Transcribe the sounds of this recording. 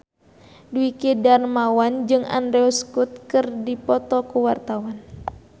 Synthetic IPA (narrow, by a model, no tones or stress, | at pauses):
duikidarmawand͡ʒɨŋa̰ndɾɛɔskut̪̚kɨrdipɔt̪ɔkuwart̪awan